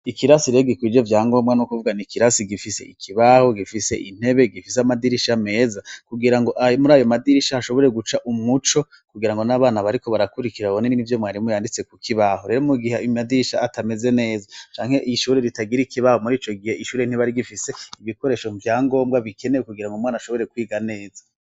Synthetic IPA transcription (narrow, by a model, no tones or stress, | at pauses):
ikiɾasiɾeɡikwid͡ʒovjaːŋɡo̞ːmɡanukuvuɡanikiɾasiɡifise̞̰ikʰiβaho̞ɡifise̞̰ʔin̥he̞βe̞ɡifis̬eamadiɾiʃame̞ːzakuɡiɾaŋɡo̞ʔamuɾaːjomadiɾiʃahaʃo̞βo̞ɾe̞ɡut͡ʃaʔumŋut͡ʃo̞ | kuɡiɾaŋɡo̞naβaːnaβaɾiko̞βaɾakuɾikiɾaβaβoneninivjo̞mŋaːɾimujaːndit͡se̞kukʰiβaɦoɾe̞ɾomuɡiɦeimadiɾiʃaːtʰame̞ze̞ne̞ːzat͡ʃaːŋ̥he̞ʔiʃuːɾeɾitaɡiɾikʰiβahomuɾiːt͡ʃo̞ɡihe̞iʃuːɾein̥heβaɾiɡifise̞iβiko̞ɾe̞ʃovjaːŋɡo̞ːmɡaβikʰe̞newekuɡiɾaŋɡomŋaːnaʃoβo̞ɾe̞kwiːɡane̞ːza